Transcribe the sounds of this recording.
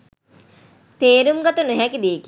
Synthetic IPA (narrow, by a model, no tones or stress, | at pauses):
t̪eːɾumɡat̪ənuɦɛkid̪iːk